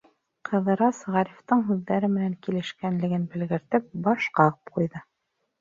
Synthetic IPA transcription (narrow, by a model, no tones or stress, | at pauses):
qʰɤ̆ðɤ̆ɾɑsʁɑɾift̪ɤɴɦʉðːæɾɘmɘ̆næŋkilɘ̆ʃkænlɘ̆ɡɘnbɘ̆lɡɘ̆ɾt̪ɘp̚bɑʃqɑʁɤp̚qujðɤ